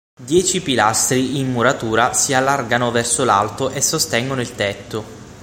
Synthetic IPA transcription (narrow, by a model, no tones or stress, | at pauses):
d̪jɛːt͡ʃipilast̪ɾiimːuɾat̪uːɾasialːarɡanovɛrsola̰lt̪oʔesːost̪ɛŋɡonoilt̪ɛt̪ːo